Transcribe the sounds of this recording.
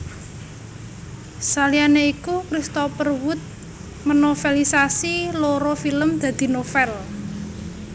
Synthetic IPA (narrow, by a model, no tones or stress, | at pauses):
salianeikukɾist̪opərwʊt̪̚ | mənofelisasiloɾofiləmd̪̥ä̤d̪̥i̤nofɛl